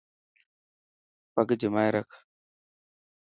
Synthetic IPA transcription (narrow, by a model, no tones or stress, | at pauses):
pɐɡd͡ʒimajɾɐk